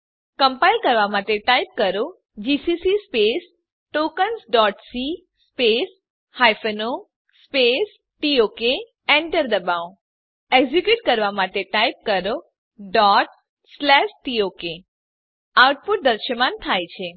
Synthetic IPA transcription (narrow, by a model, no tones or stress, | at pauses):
kəmpailkəɾʋamaʈeʈaip̚kəɾo | d͡ʒisisispes | ʈokənsɖɔʈsi | spes | hajfəno | spes | ʈioke | ɛ̃ɳʈəɾd̪əbaõ | eɡzikjuʈ̚kəɾʋamaʈeʈajp̚kəɾo | ɖɔʈ | slɛʃʈioke | awʈ̚puʈ̚d̪əɾʃəmant̪ʰajt͡ʃʰe